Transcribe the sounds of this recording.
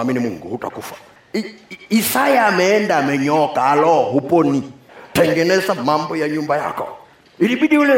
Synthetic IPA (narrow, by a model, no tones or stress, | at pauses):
aminimuŋɡuhuta̰kufḁ | isajaːmɛːndaːmɛɲɔkaːlɔɦupɔnitɛŋɡɛnɛzamambɔjaɲumbaja̰kɔ̰ | iɾiɓiɗiulɛ